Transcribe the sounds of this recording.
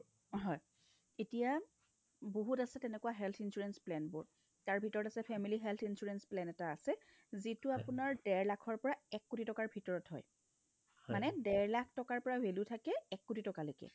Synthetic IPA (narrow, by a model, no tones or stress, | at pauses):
ɦɔj | etija | boɦutasɛtɛnɛkwaɦɛltʰinsuɹɛnsplɛnbʊ̰ɹ | taɹbʱitɔɹɔtasɛpʰɛmiliɦɛltʰinsuɹɛnsplɛnɛtaːsɛ | zitʊapʊnaɹdɛɹlakʰɔɹpɔɹaɛkːutʰitɔkaɹbʱitɔɹɔtɦɔ̰j | manɛdɛɹlakʰtɔkaɹpɔɹawelutʰakɛɛkːutʰitɔkalokɛ̰